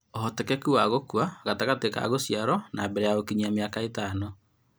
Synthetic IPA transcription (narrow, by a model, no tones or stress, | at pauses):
oɦɔtɛkɛkuwaɣokuaɣataɣateka̰ɣosjaɾɔnabɛɾɛjaɣokiɲiameakaetaːno